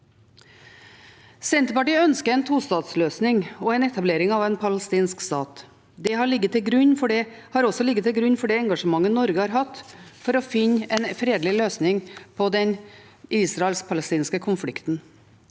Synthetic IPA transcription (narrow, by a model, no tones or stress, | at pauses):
sɛnt̪əpɑʈiːœnskəɾɛnt̪ʰuːst̪ɑːt̪sløːsnɪŋɔɛːnɛt̪ʰɑbleːɾɪŋɑʋɛːnpʰɑləst̪iːnskst̪ɑ̰ːt̪ | d̪ɛɦɑɭɪɡːət̪ʰɪɡɾʉɲfɔɖɛ | hɑɾɔsɔlɪɡːət̪ɪlɡɾʉɲːfɔɖɛːɛŋɡɑʂəmɑŋːənɔɾɡəhɑːɾɦɑt̪fɔɾɔfɪɲɛːnfɾeːd̪lɪløːsnɪŋpʰɔd̪ɛn | ʔiːsɾɑɛlspʰɑləst̪iːnskəkʰʊnflɪkt̪n̩